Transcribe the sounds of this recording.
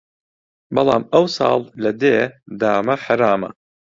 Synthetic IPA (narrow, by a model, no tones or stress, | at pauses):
bɐlˠɑ̰ːmɐwsɑ̰ːlˠlɐd̪eːd̪aːmɐħaɾaːmɐ̰